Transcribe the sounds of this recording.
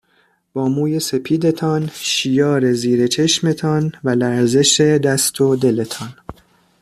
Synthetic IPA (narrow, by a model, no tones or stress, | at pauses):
b̥ɒːmuːje̞se̞pʰiːd̪e̞t̪ʰɒnʃijɒːɾe̞ziːɾe̞t͡ʃʰe̞ʃme̞t̪ʰɒnvælæɾze̞ʃe̞d̪æst̪ʰo̞d̪e̞le̞t̪ʰɒn